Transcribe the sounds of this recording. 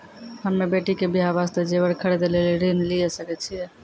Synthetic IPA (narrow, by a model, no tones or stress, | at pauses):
həmːebeʈikebiɦabast̪ed͡ʒebəɾkʰəɾed̪eleliɾinlijesəkɛt͡ʃʰijɛ